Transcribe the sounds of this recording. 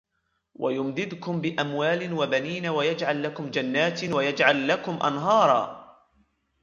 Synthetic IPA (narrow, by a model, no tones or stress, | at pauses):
wʔa̰jʊmd̪ɪd̪kʊmbɪʔamwaːlɪwabaniːnawajad͡ʒʕalːakʊmd͡ʒanːaːt̪wajad͡ʒʕalːakʊmʔa̰nɦɑːɾˤɑ̰ː